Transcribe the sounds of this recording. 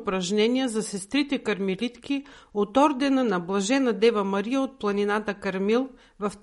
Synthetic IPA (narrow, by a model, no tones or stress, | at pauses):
pɾɐʒnɛniəzɐsɛst̪ɾit̪ɛkɐɾmilit̪kiot̪ɔɾd̪ɛnɐnɐblˠɐʒɛnɐd̪ɛvɐmɐɾijəot̪̚plˠɐninat̪əkɐɾmilˠ | vɐf